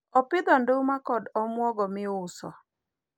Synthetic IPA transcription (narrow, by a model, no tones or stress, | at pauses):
ɔpɪd̪ɔndomakɔdɔmwɔɡɔmɪʊsɔ̰